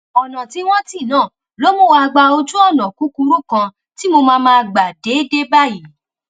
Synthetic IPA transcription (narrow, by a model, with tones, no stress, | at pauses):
ɔ˨nã˨ti˨˦w̃ɔ̃˦ti˦˨nãː˦˨ | lo˦mõ˦˨wa˧ɡ͡ba˧o˧d͡ʒu˦ɔ˦˨nã˨ku˨˦ku˧ɾu˦kã˧ | ti˦mo˧mãː˧mãː˧ɡ͡ba˨de˨˦de˦ba˦˨ji˨˦